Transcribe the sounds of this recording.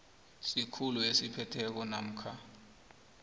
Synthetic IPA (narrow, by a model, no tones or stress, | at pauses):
sikʰuluesipʰɛtʰɛk̬ɔna̰m̩kʰa